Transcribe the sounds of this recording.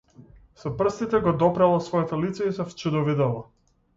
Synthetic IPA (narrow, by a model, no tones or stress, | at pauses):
sɔpr̩st̪it̪ɛɡɔd̪ɔpɾɛlˠɔsvɔjɛt̪ɔlit̪sɛisɔft͡ʃɛd̪ɔvid̪ɔlˠɔ